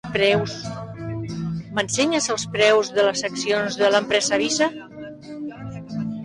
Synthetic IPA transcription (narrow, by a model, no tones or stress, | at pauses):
pɾɛws | mənseɲəzəlˠspɾɛwzðələsːəksionzðələmpɾɛzəβ̞isə